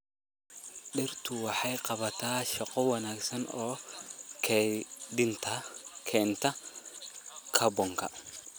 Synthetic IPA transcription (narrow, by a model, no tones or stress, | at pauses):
ɗɪɾt̪ʊwɐħajqʼɐβɐt̪aːʃɐqʼɔwɐnaːɡsɐnoːkʰɛd̪ɪnt̪akʰɛːnt̪ɐ | kʰɐbɔŋkɐ